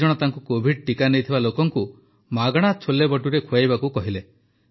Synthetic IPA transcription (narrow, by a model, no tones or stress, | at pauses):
ɔɽ̃ɔt̪aŋkukobʱiɖ̚ʈikanejt̪ʰibalokɔŋku | maɡɔɽ̃at͡ʃʰolebɔʈuɾekʰujajbakukɔɦile